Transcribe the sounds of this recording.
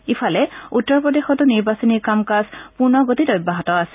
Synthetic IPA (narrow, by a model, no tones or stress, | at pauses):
ipʰalɛutːɔɹpɹɔdexɔtʊniɹbasɔniɹkamkaspuɹnɔɡotitojbaɦɔtɔasɛ̥